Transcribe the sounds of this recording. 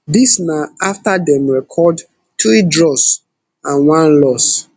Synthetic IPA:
disnaaftadɛ̃mɹɛkʰɔd | tʰudɹɔs | ãnwãnlɔs

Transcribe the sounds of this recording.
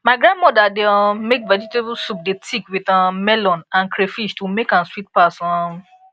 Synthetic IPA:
maɪɡɾãndmɔdadeãmekvɛd͡ʒitebusup̚detʰikwiðãmɛlɔ̃nãnkɾefiʃtumekãnswit̚pasɔ̃

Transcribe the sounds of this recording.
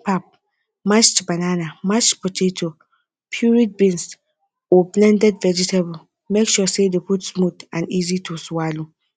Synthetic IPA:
pap̚ | mat͡ʃt͡ʃbananamat͡ʃpɔtʰetʰo | pʰjuɹid̚bĩns | oblɛ̃ndɛdvɛd͡ʒitʰabu | mekʃusedeputsmutãnizitʰoswalu

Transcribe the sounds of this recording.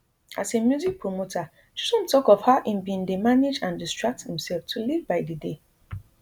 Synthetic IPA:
asemjuzik̚pɹomotʰa | ʃi̥sɔ̃ntɔkɔfhaʊʔĩmbĩndemaned͡ʒãndistɹak̚thĩmsɛlftʰulivbaɪdide

